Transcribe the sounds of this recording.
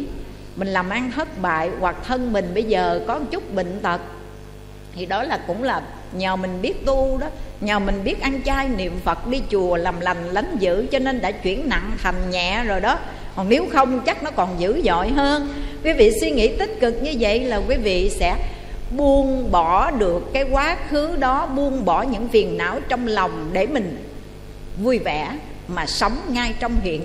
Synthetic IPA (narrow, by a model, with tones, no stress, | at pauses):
mï˨˩ŋ̟laː˨˩mʔa˧ŋt̪ʰə˦˥t̚ɓa̰ː˧˨jwa˨˩k̚t̪ʰə˧nmï˨˩ŋ̟ɓə˧jzəː˨˩kɔ˨˦t͡ɕʊ˦˥k͡p̚ɓḭ˧˨ŋ̟t̪ʰə˨˩k̚ | t̪ʰi˨˩ɗɔ˨˦laː˨˩kʊ̰˧˥ŋ͡mlaː˨˩ | ɲəː˨˩mï˨˩ŋ̟ɓi˦˥ət̚t̪u˧ɗɔ˨˦ɲəː˨˩mï˨˩ŋ̟ɓi˦˥ət̚ʔa˧ŋt͡ɕaː˧jnḭ˧˨əmfə˨˩t̚ɗi˧t͡ɕu˨˩əlaː˨˩mla˨˩ŋ̟la˨˦ŋ̟zɨ̰˧˥t͡ɕɔ˧ne˧nɗa̰ː˧˥t͡ɕwḭ˧˩ənna̰˧˨ŋt̪ʰa˨˩jŋ̟ɲɛ̰˧˨zo˨˩jɗɔ˨˦ | hɔ˨˩ŋne˨˦wxə˧wŋ͡mt͡ɕa˦˥k̚nɔ˨˦kɔ˨˩nzɨ̰˧˥zɔ̰˧˨jɦəː˧nkwi˨˦vḭ˧˨swi˧ŋḭ˧˥t̪ï˦˥t̚kɨ˨˩k̚ɲɨ˧və̰˧˨jlaː˨˩kwi˨˦vḭ˧˨sɛ̰˧˥ | ɓu˧ənɓɔ˧˩˦ɗɨ˨˩əkːaː˨˦jkwaː˨˦xɨ˨˦ɗɔ˨˦ɓu˧ənɓɔ˧˩ɲɨ̰˧˥ŋfi˨˩ənːa̰ː˧˥wt͡ɕɔ˧wŋ͡mlɔ˨˩wŋ͡mɗe˧˩mï˨˩ŋ̟ | vu˧jvɛ˧˩ | maː˨˩sə˨˦wŋ͡mŋa˧jt͡ɕɔ˧wŋ͡mhḭ˧˨ən